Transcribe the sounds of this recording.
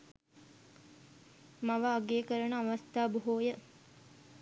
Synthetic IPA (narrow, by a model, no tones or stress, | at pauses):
maʋəːɡeːkəɾənəaʋast̪aːbuɦoːjə